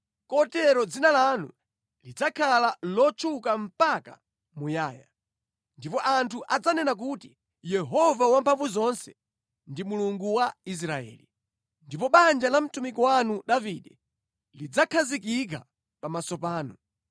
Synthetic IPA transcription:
kɔtɛɾɔd͡zinalanṵ | lid͡zakʰalalɔt͡ʃʰukam̩paka̰ | mujaːja | ndipɔʔantʰuʔad͡zanɛnak̬uti | jɛɦɔvawampʰaɱvuzɔnsɛ̥ | ndimuluŋɡuwais̬ɾaɛ̰ːli | ndipɔɓand͡ʒalam̩tumikɔwanuɗaviːɗɛ | lid͡zakʰazikik̬a | pamasɔpaːnɔ

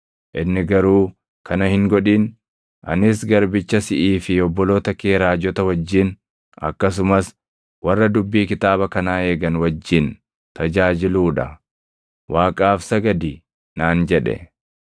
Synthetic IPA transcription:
ʔɪnːɪɡɐɾuː | kʰɐnɐhɪŋɡɔᶑiːn | ʔɐ̰nɪsɡɐɾbɪt͡ʃːɐsɪʔiːfɪɔbːɔloːt̪ɐkeːɾaːd͡ʒɔt̪ɐwɐd͡ʒːɪn | ɐ̰kːɐs̬ʊmɐs | wɐrːɐd̪ʊbːiːkɪt̪aːbɐkɐnaːe̞ːɡɐnwɐd͡ʒːɪn | t̪ɐd͡ʒaːd͡ʒɪluːᶑɐ | wʔaːkʼaːfsɐɡɐd̪i | naːnd͡ʒɛᶑɛ̰

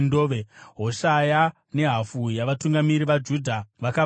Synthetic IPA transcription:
ndoːʋeɦoʃaja | ne̞ɦafujaʋatuŋɡamiɾiʋad͡ʒuːdʱaʋaka

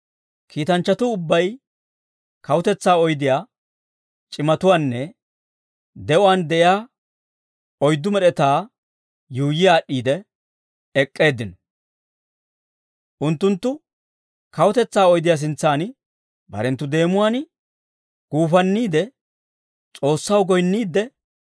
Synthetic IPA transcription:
kʰiːt̪ɐnt͡ʃːɐt̪ʊːbːɐj | kɐwʊt̪ɛt͡sːaːɔjd̪ɪjaː | t͡ʃʼɪmɐt̪ʊwaːnːɛ | d̪ɛʔʊwaːnd̪ɛʔɪjaː | ɔjd̪ːʊmɛɗɛt̪aː | juːjɪjaːɗːiːd̪ɛ | ɛkʼːe̞ːd̪ɪnɔ̥ | ʔʊnt̪ːʊnt̪ːʊ | kɐwʊt̪ɛt͡sːaːɔjd̪ɪjaːs̬ɪnt͡sːaːn | bɐ̰ɾɛnt̪ːʊd̪e̞ːmʊwaːn | ɡ̥uːfɐnːiːd̪ɛ | t͡sʼo̞ːsːɐwɡɔjnːiːd̪ːɛ

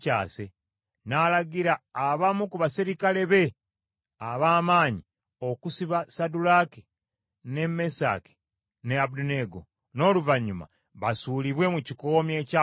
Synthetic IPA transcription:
caːse | nalaɡiɾaːβamukuβasiɾikale̞βe̞ | aβaːmaːɲi | o̞kusiβasadulake̥ | ne̞mesa̰ːke̥ | neabuduneɡo | no̞ːluvaɲːuma̰ | βasuːliβwe̞muciko̞ːmje̞ca

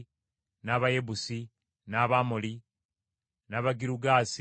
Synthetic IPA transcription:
naβajebusi | naβamoli | naβaɡiɾuɡaːs

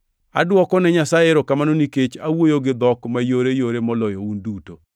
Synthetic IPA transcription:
a̰dwɔkɔnɛɲasajeɾɔkamanoniket͡ʃawojoɡɪd̪ɔkmajoɾejoɾemɔlɔjɔunduto

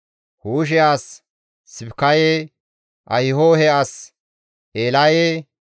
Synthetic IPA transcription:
huːʃ̬ɛaːsː | ɪbkːaje | ʔɐjɪhoːhɛʔas | ʔeːlaje

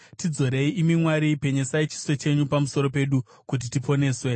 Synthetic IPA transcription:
tid͡zo̞ɾe̞iʔimimwaɾipe̞ɲesait͡ʃi̥swe̞t͡ʃe̞ɲupamuso̞ɾo̞pe̞ɗu | kut̬itipo̞ne̞ːswe̞

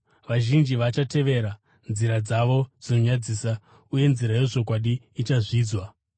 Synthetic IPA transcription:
ʋaʒind͡ʒiʋat͡ʃate̞ʋe̞ɾa | nziɾad͡zaʋo̞d͡zino̞ɲad͡ziːsa | uje̞nziɾaje̞ʐo̞k̬waɗiːt͡ʃaʐiːd͡zwa

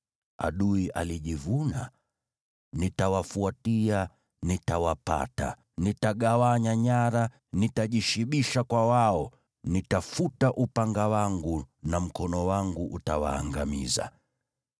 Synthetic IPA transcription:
a̰ɗuiʔa̰liʄivuna | nitawafuatia | nitawapa̰ta̰ | nitaɠawaɲaɲaɾa | nitaʄiʃiɓiʃakwawaɔ | nitafutaʔupaŋɡawaŋɡunam̩kɔnɔwaŋɡuʔutawa̰ːŋɡamḭza̰

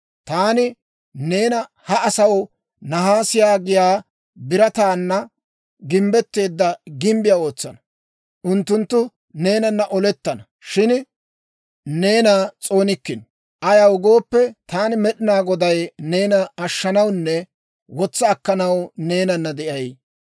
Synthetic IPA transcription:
t̪aːnɪ | ne̞ːnɐ | hɐʔːsɐw | nɐɦaːsɪjaːɡɪjaː | bɪɾɐt̪aːnːɐ | ɡɪmbɛt̪ːe̞ːd̪ːɐɡɪmbɪjao̞ːt͡sːɐnɐ | ʔʊnt̪ːʊnt̪ːʊ | ne̞ːnɐnːɐʔɔlɛt̪ːɐnɐ | ʃɪn | ne̞ːnat͡sʼo̞ːnɪkːɪn | ʔɐjɐwʊɡo̞ːpːɛt̪aːnɪmɛɗɪnaːɡɔd̪ɐjne̞ːnɐːʃːɐnɐwnːɛ | wɔt͡sːɐːkːɐnɐwne̞ːnɐnːɐd̪ɛʔɐj

